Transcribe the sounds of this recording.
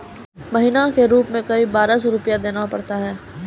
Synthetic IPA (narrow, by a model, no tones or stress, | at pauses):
mɐɦinakeɾuːpmẽkɐɾiːbːaːɾasɔɾʊpijad̪eːnapɐɽt̪aɦɛː